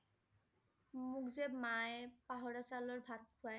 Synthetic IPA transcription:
mukzebmaepaɦɔɹasalɔɹbʱat̪̚pʰua

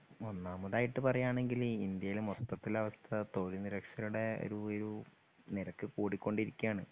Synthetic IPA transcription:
onːaːmɐðaːjiʈːɨpɐrɐjaːɳe̞ŋɡilind̪jɐjilmot̪ːɐt̪ːilɐʋɐst̪ʰɐt̪o̞ːliniɾɐkʂɐluɽe̞o̰ɾuoɾu | niɾɐkːɨkuːɽikʲːo̞ɳɖiɾikʲːujaːɳɨ

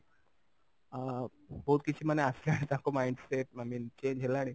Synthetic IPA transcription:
bəɦut̪̚kit͡ɕʰiːməneəslianit̪ãkomaiɳɖseʈ̚amiːnt͡ɕeɲɡʱelaaɽi

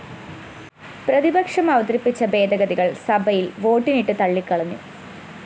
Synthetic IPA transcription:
prɐðibɐkʂɐmɐʋɐt̪ɾipːit͡ɕːɐbe̞ːd̪ɐɡɐðiɣɐɭsɐbʱɐjilʋo̞ːʈːiniʈːɨt̪ɐɭːikːɐɭɐnːṵ

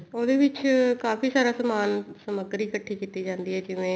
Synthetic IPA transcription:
oːd̪eːʋɪt͡ʃkaːpʰiːsaːɾaːsəmaːnsəməɡəɾiːkəʈʰːiːkiːt̪iːd͡ʒãːnd̪iːɦɛːd͡ʒɪʋẽː

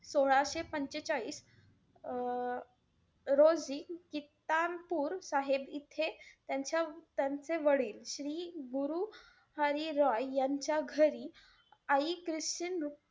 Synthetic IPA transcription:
soɭ̃aɕepəɲt͡ɕet͡ɕaɭiːs | ɾod͡zikit̪anpuːɾsaɦebit̪ʰet̪jaɲt͡ɕjat̪jant͡seʋəɽiːlɕɾiːɡuɾu | həɾiɾɔjjaɲt͡ɕjaɡʱəɾi | aikɾist͡ɕinu

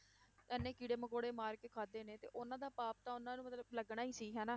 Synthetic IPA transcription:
ɛnːeːkiːɽeːməkoːɽeːmaːɾkeːkʰaːd̪eːneːt̪ḛːʔonãːd̪aːpaːp̚t̪ãːʊnãːnũːmət̪ləb̚ləɡɽaːiːsiːɦɛːnãː

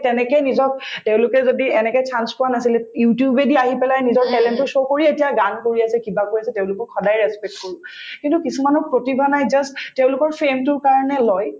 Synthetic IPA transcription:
tɛnɛkɛnizɔk̚teʊ̃lʊkɛzodiɛnɛkɛtʰanspʊanasilɛjutjubediaɦipɛlajnizɔɹɦɛlɛntʊsokoɹietijaɡankoɹiasɛkibakojasɛtɛʊ̃lʊkɔkʰːɔdajɹɛspɛk̚tkoɹũkintukisumanɔpɹotibʱanajzastteʊ̃lʊkɔɹpʰemtʊɹkaɹɔnɛlɔj

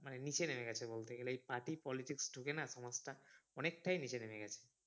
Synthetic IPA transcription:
manenit͡ɕʰenemeɡɛt͡ɕʰebolt̪eɡeleejpaʈipɔliʈiksɖʱukenaʃɔmasʈaɔnek̚ʈajnit͡ɕenemeɡɛt͡ɕʰe̥

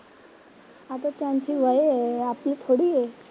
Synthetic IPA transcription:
at̪at̪jãɲt͡ɕiːʋəjeapliːt̪ʰoɽiːje

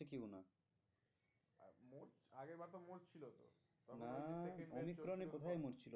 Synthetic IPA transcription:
ekewna | mo | aɡeɾbaɾt̪omoɾt͡ɕʰilot̪o̰ | t̪ɔnaomikːɾonepot̪ʰajmoɾt͡ɕʰilo

